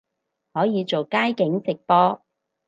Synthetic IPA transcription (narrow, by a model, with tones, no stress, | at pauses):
hɔː˨˥jiː˨˧t͡so˨wkaː˥jkɪ˨˥ŋsɪ˨k̚pɔː˥